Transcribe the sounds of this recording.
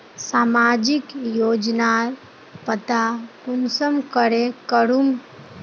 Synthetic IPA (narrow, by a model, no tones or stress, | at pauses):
saːmaːd͡ʒɪkjoːd͡ʒnaɾ | pət̪akʊnsəmkəɾekəɾum